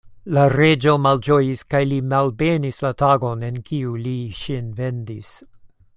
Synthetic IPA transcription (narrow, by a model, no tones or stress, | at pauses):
laɾe̞d͡ʒo̞mald͡ʒojiskajlimalbe̞nislataɡo̞ne̞nkʰiuliʃinve̞ndis